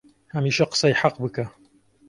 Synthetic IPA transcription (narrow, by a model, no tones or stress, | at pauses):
hɐmiːʃɐqə̥sɐjħaqbɨkɐ